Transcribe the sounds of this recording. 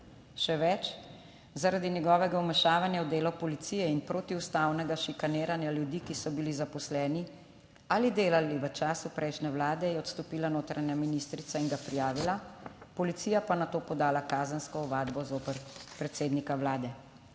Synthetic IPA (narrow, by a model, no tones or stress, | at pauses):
ʃɛʋɛt͡ʃ | zaɾad̪injɛɡɔːʋɛɡaumɛʃaːʋanjawd̪eːlɔpɔlit̪sijɛinpɾoːt̪iust̪aːwnɛɡaʃikaneːɾanjaljud̪iːkisɔbilizapɔslɛːni | alid̪eːlaliʋət͡ʃaːsupɾʔɛjʃnɛwlaːd̪ɛjɛɔt̪st̪ɔpiːlanoːt̪ɾaɲaminist̪ɾit̪sainɡapɾijaːʋilapɔlit̪siːjapanat̪oːpɔd̪aːlakaːzənskɔɔʋaːd̪bɔzoːpəɾpɾɛt̪seːd̪nikawlaːd̪ɛ